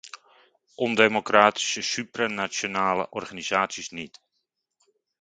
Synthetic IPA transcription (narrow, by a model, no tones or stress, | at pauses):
ʔɔndemokraːti̥səsypranasjonaːlə̰ʔɔrχanizaːtsisnit